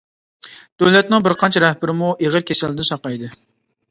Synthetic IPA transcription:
d̪̥øwlɛt̪̚nɨŋbɪɾqɑnt͡ʃʰɛɾɛhbɪɾɪmuʔeʁəɾkʲʰesɪlːɪd̪ɪnsɑqɑjd̪ɨ

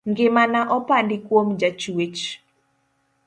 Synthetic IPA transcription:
ŋɡɪmanaʔɔpandɪkwomd͡ʒat͡ʃwet͡ʃ

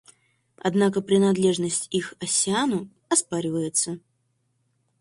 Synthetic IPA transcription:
ɐ̰d̪nakəpɾʲɪnad̪lʲe̞ʐnəsʲtʲixɐsʲɪanʊ | ɐspaɾʲɪvəjɪt̪sə

